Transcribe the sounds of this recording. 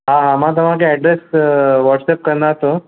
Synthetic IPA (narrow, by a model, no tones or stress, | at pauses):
ɦãɦãmãt̪̬əm̤ãkeɛɖɾesʋɔʈsep̚kəɾnd̪aɦt̪o